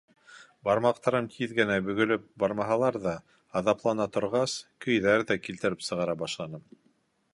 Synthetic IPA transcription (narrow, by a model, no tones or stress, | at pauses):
bɑɾmɑq̚t̪ɑɾɤmt̪ʰiðɡɘ̆næbɵ̆ɡɵ̆lɵp̚bɑɾmɑɦɑlˠɑɾðɑː | ðɑplˠɑnɑt̪ŏɾʁɑskɵ̆jðæɾðækilt̪ɘ̆ɾɘpsɤ̆ʁɑɾɑbɑʃlˠɑnɤm